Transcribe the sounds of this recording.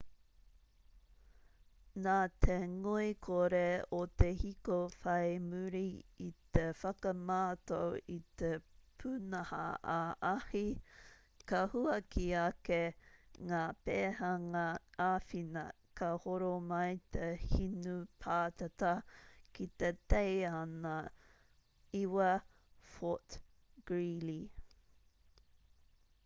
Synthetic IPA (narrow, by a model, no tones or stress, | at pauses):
naːt̪ʰeŋuikʰoɾeot̪ehikofɐjmuɾiit̪efɐkɐmaːt̪owit̪epʰunɐhɐ̰ʔaahi | kɐhuɐkʰiɐkeŋaːpeːhɐŋɐaːfinɐ̰ | kʰɐhoɾomɐjt̪ʰehinupʰaːt̪ɐt̪ɐkit̪et̪ejanɐ | iwɐ | fot | ɡ̥ɹili